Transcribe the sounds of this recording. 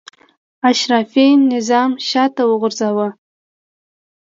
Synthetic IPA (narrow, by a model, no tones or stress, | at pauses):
aʃrafejnːizamʃatʰawʊʁʷʊrzawa